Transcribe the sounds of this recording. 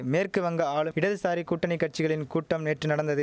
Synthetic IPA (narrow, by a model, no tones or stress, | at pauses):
meːrkɯʋɐŋɡɐaːɭɯɪɽɐðɯsaːɾikuːʈːɐnɛɪkːɐʈ̚t͡ʃɪɣɐɭɪnkuːʈːɐmneːʈrɯnɐɽɐnd̪ɐðɯ